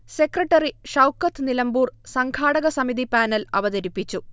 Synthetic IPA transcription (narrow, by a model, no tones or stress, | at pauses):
se̞krɐʈːɐriʂɐwkːɐt̪ʰːɨnilɐmbuːrsɐŋkʰaːɽɐɣɐsɐmid̪ipaːnɐlɐ̰ʋɐðɐɾipːit͡ɕːu